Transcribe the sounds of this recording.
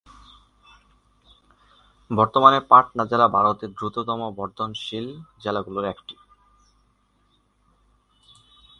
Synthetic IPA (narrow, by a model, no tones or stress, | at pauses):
bɔɾt̪omanepaʈnad͡ʑelabʱaɾot̪eɾd̪ɾut̪ot̪ɔmobɔɾd̪ʱonʃild͡ʑelaɡuloɾɛkʈi̥